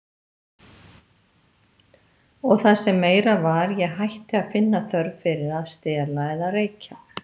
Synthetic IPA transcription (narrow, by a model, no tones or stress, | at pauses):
ɔɣθasɛmːeːjɾavaɾjɛɣɦajht̪ɪaðfɪnːaθœɾvfɪɾɪɾaðst̪ɛːlaɛðaðreːjcʰa